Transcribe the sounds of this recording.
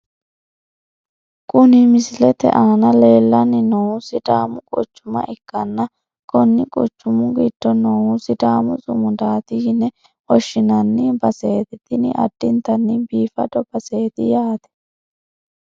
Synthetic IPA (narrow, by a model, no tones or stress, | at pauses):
kʼʊnɪmɪsɪlɛt̪ɛ̰ʔanɐle̞ːlːɐnːɪnoʊsɪd̪aːmʊkʼɔ̰t͡ʃːʊmɐ̰ʔɪkːɐnːɐ | kɔnːɪkʼɔt͡ʃːʊmʊɡit̪ːɔnowsɪd̪aːmʊzʼʊmʊd̪aːt̪ɪhɪnːɛ | ɔʃːɪnɐnːɪbɐseːt̪ɪt̪ɪnɪ̰ʔɐ̰d̪̥ːɪnt̪ɐnːɪbiːfɐ̰d̪ɔb̥ɐse̞ːt̪ɪ̰jaːt̪ɛ̥